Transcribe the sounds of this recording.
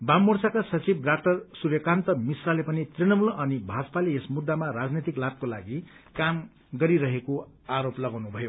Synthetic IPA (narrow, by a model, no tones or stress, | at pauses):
bamːort͡sakasʌt͡sibrakʈʌrsurjʌkant̪ʌmisralepʌnit̪rinʌmulʌnibʱad͡zpaleesmud̪ːamaɾad͡znet̪iklab̚kola̰ɡikam | ɡʌɾiɾʌɦeko | aɾoplʌɡawnubʱʌjo